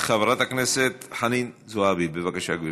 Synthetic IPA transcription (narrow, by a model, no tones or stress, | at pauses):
χavɾat̪akneset̪ħaninzoabibevakaʃaɡi